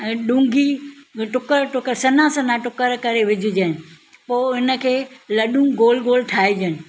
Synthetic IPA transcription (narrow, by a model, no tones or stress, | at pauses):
ɛ̃ːɗũːŋɡʱiʈʊkəɾʈʊkəɾsɐnãsɐnaʈʊkəɾkɐɾeʋɪd͡ʑʱʊd͡ʑaɦɪnɪ̆ | poːɪnə̆kʰeːlɐɗũɡoːlɡoːlʈʰaːid͡ʑənɪ̆